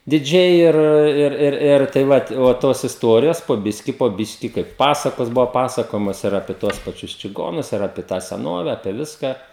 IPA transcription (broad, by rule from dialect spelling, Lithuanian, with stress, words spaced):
dʲɪˈd͡ʒʲɛɪ ˈɪr ˈɪr ˈɪr ˈɪr tɐɪ ˈʋɐt oː ˈtoːs ɪsˈtuɔrʲɪjoːs poː ˈbʲɪsʲkʲɪ poː ˈbʲɪʃʲkʲɪ ˈkɐɪp ˈpɑːsɐkoːs ˈbʊʋɐ pɐsɐˈkoːjɛmoːs ɪr ˈɑːpʲiɛ tuɔs pɐˈt͡ʃʲʊs t͡ʃʲɪˈɡoːnʊs ɪr ˈɑːpʲiɛ tɑː sʲɛˈnoːʋʲɛ ɐpʲiɛ ˈʋʲɪskɑː